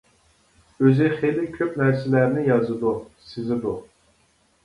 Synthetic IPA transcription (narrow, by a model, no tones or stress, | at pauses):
øzɪχelɪkʲʰøpnæɾsɪlæɾnɪjɑzɨd̪usɪzɪd̪u